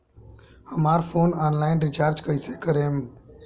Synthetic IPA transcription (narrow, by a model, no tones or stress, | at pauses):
həmaːɾfʰoːnaːnlaːɪnɾɪt͡ʃaːɾd͡ʒkəiseːkəɾeːm